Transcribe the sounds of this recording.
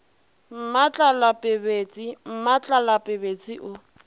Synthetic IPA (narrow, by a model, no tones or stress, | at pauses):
m̩mat͡ɬʼalapʼɪbet͡sʼim̩mat͡ɬʼalapʼɪbet͡sʼiʔʊ